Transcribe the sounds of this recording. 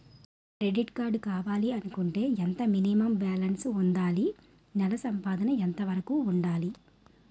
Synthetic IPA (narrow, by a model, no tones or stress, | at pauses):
kɾe̞ɖiʈkaːɾɖkaːʋaːliɐnukuɳʈe̞ːent̪ɐminimɐmbaːlɐnsund̪aːli | nɛlɐsɐmpaːd̪ɐnɐɛnt̪ɐʋɐɾɐkuːuɳɖaːli